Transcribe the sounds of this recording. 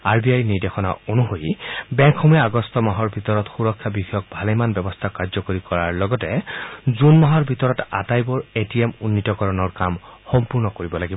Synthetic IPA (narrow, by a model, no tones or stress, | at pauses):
aɹbʱiajniɹdexɔna̰onuɦojbɛŋkʰxɔmujɛaɡɔstɔmaɦɔɹbʱitɔɹɔtxuɹɔkʰːjabixɔjɔk̚bʱalɛjmanbɛbɔst̪ʰakaɹzɔkoɹikɔɹaɹlɔɡɔtɛzunmaɦɔɹbʱitɔɹɔta̰tajbɔɹetiɛmunːitɔkɔɹɔnɔɹkamxɔmpuɹnɔkoɹibɔlaɡibɔ